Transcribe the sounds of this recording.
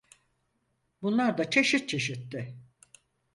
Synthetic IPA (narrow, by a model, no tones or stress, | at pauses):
bunlˠaɾd̪at͡ʃʰe̞ʃit̪̚t͡ʃʰe̞ʃit̪ːɪ